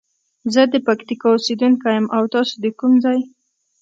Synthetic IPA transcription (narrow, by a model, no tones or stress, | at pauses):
zəd̪əpakt̪ikɑused̪unkajamʔawt̪ɑsod̪əkumzɑj